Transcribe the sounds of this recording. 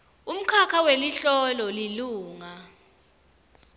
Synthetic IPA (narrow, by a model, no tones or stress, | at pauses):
um̩kʰakʰaweliɬɔlɔliluːŋa